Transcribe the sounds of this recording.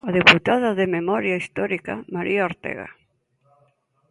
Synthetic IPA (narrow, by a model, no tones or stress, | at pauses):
aðeput̪aðaðememɔɾjaist̪ɔɾikamaɾʔiaoɾt̪ḛɣa̰